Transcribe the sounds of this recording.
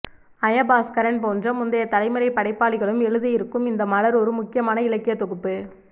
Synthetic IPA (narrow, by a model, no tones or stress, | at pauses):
ɐjɐbaːskɐɾɐnpoːndrɐmʊnd̪ɐjɐt̪ɐlɐɪmɐɾɐɪpːɐɽɐɪpːaːɭɪɣɐɭɯmɛɻɯðɯjɪɾɯkːɯmɪnd̪ɐmɐɭɐɾɔɾɯmʊkːɪjɐmaːnɐɪɭɐkːɪjɐt̪ːɔɣɯpːɯ